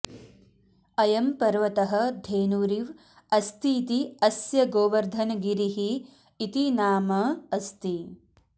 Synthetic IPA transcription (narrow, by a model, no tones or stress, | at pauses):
ɐjɐmpɐɾʋɐt̪ɐɦɐ̆d̪ʱeːnuːɾiʋ | ɐst̪iːt̪iɐsjɐɡoːʋɐɾd̪ʱɐnɡiɾiɦiː | t̪inaːmɐɐst̪i